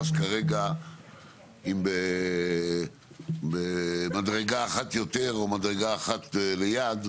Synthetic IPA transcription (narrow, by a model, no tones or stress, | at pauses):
ʃkaʁeɡa | imbe | bemadʁe̞ɡaːχat̪jo̞t̪e̞ʁo̞madʁeɡaːχat̪lejad̪